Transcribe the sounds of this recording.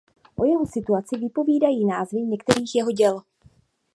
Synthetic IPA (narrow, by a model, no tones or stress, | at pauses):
ʔo̞jɛɦo̞sɪt̪uat͡sɪvɪpo̞viːdajiːnaːzvɪɲɛkt̪ɛɾiːxjɛɦo̞ɟɛl